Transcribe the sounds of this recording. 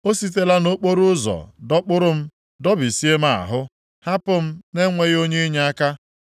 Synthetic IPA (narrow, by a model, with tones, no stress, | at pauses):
o˦si˦t̬e˦la˦no˦k͡po˦ɾʊ˦zɔ̰˨dɔ˦k͡pʊ˦ɾʊ˦m̩˦ | dɔ˦bi˨si˦e˦ma̰˨a̰˨ɦʊ˦ | ha˦pʊ˦m̩˦ne˦ŋʷe˦ɣo˦ɲe˦ɲa˦a˦ka˦